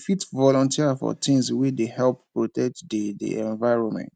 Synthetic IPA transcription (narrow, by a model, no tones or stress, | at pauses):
fitvɔlɔ̃ntʰiafɔ̰tʰĩŋswedehɛlppɹotɛk̚tdedḭʔɛ̃nvaɪɹɔ̃nmɛ̰̃nt